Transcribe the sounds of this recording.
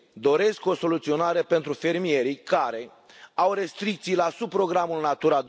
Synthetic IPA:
d̪o̞ɾe̞sko̞so̞lut̪sio̞naɾe̞pe̞nt̪ɾufe̞rmie̞ɾikaɾe̞ | awre̞st̪ɾik̚t̪sijlasub̚pɾo̞ɡɾamulnat̪uɾad̪

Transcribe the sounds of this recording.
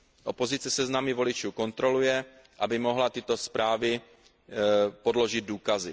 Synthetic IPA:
ʔo̞po̞zɪt͡sɛsɛznamɪvo̞lɪt͡ʃuːko̞nt̪ɾo̞lujɛ | ʔabɪmo̞ɦlat̪ɪt̪o̞spɾaːvɪ | podlo̞ʒɪd̪̚duːkazɪ

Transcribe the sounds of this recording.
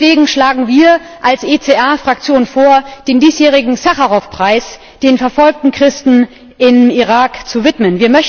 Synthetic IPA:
v̥eːɡŋ̩ʃlaːɡŋ̩viːɐ | ʔalsʔeːt͡seːʔɛɐfʁ̥ak̚t͡sjoːnfoːɐd̥eːndiːsjeːʁ̞ɪɡŋ̩saχaʁɔfpʁ̥aɪs | d̥eːnfɛɐfɔlk̚tn̩kʁ̥ɪstn̩ | ʔɪmiʁaːkt͡suvɪtmənviːɐmœç

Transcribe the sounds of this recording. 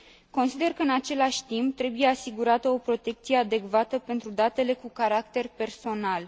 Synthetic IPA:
ko̞nsid̪e̞rkəɨnat͡ʃe̞laʃʲt̪imp̚t̪ɾe̞buje̞asiɡuɾat̪əo̞pɾo̞t̪e̞k̚t̪sije̞ad̪e̞kvat̪əpe̞nt̪ɾud̪at̪e̞le̞kukaɾakt̪e̞rpe̞rso̞nal

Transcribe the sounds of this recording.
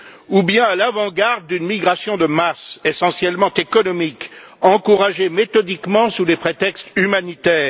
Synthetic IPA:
ubjɛ̃alavɑ̃ɡaʁd̪̚ːynmiɡʁasjɔ̃d̪əmasesɑ̃sjɛlmɑ̃t̪ekɔnɔmik | ɑ̃kuʁaʒemet̪ɔd̪ikmɑ̃sulepχet̪ɛkst̪ymanit̪ɛːʁ

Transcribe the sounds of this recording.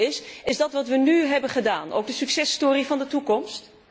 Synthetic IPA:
ɪsɪzdɑtʋɑtʋənyɦɛbənχədaːnʔo̰wɡ̚dəsyksɛstoːrivɑndətukɔmst

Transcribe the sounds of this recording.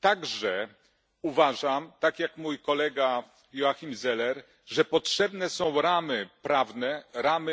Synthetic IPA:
t̪aɡʐɛ | uvaʐamt̪akʲjakmujkɔlɛɡa | jɔaxʲimzɛlɛɾ | ʐɛpɔtʂɛbnɛsɔ̃w̃ɾamɘpɾavnɛɾamɘ

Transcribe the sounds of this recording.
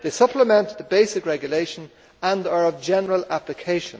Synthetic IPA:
ðeɪsʌpləmɛ̃nðəbeɪsɪkɹɛɡjəleɪʃə̃n | ə̃nə˞əvd͡ʒɛnəɹəlaplɪkʰeɪʃə̃n

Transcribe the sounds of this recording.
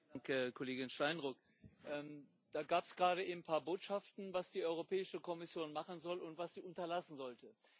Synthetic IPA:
ŋkəkʰɔleːɡɪnʃtaɪnʁʊk | ʔɛːm | d̥aːɡaːpsɡ̥ʁaːɾəʔɪnpʰaːɐboːtʃaftn̩vasd̥iːʔɔʏʁopʰɛːɪʃəkɔmɪsjoːnmaχn̩zɔlʊntv̥asz̥iːʔʊntɐlasn̩zɔltə

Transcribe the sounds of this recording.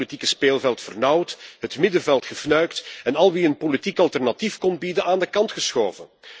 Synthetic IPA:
litikəspeːlˠvɛlˠtfərnʌwtɦətmɪdəvɛlˠtxəfnœɥktɛnɑlˠʋiənpolitikɑlˠtɛrnɑtifkɔnbidənʔaːndəkɑntxəsxoːvə

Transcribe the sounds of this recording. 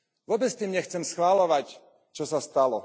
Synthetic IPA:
ʋʊɔbɛt͡st̪iːmɲɛxt͡sɛmsxʋalɔʋac | t͡ʃɔsast̪alɔ̰

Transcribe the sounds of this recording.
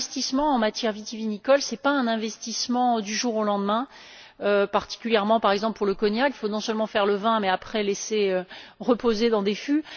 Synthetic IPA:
st̪ismɑ̃ɑ̃mat̪jɛʁvit̪ivinikɔlsɛpaɛ̃nɛ̃vɛst̪ismɑ̃d̪yʒuʁolɑ̃d̪mɛ̃ | øpaʁt̪i̥kʲyljɛʁmɑ̃paʁɛɡzɑ̃plpuʁləkɔnjakifonɔ̃sœlmɑ̃fɛʁləvɛ̃mɛapχɛleseøʁəpozed̪ɑ̃d̪efy

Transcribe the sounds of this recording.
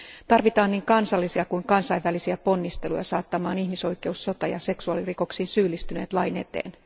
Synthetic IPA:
t̪ɑrʋit̪ɑːnːiːŋkɑnsɑlːisiɑkujŋkɑnsɑjʋːælisiæpo̞nːist̪e̞lujɑ̰sɑːt̪ːɑmɑːnihmiso̞jkˑe̞usːo̞t̪ɑjɑ̰se̞ksuɑliriko̞ksiːnsyːlːist̪yne̞̰ːt̪lɑjne̞̰t̪ḛːn

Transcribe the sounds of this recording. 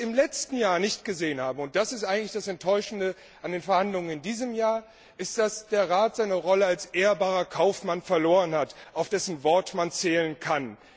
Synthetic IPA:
ɪmlɛt͡stn̩jaːɐnɪçt̚ɡ̥əzeːənhaːbm̩ʊnt̚d̥asɪstʔaɪɡŋ̩tlɪçd̥asɛntʰːɔʏʃn̩də | ʔandeːnfɛɐhandlʊŋənɪndiːzəmjaːɐ | ʔɪstd̥asd̥eːɐʁaːtz̥aɪnəʁɔləalsʔeːɐbaːʁɐkʰaʊfmanfɛɐloːʁənhataʊfd̥ɛsn̩vɔɐtmant͡sɛːlənkʰan

